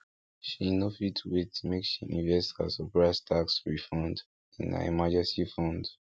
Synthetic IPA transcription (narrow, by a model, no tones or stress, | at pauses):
ʃinofitʰwetmekʃiʔĩnvɛstha̰sɔpɹaɪstʰaksɹifɔ̃nd | ĩna̰ḭmad͡ʒɛ̃nsifɔ̃nd